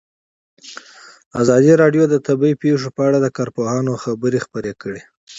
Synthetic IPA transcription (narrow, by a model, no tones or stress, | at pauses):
azɑd̪iɾɑɖjod̪ət̪abaipeʂopəaɽad̪əkɑɾpoɦɑnoxabəɾexpəɾekəɽe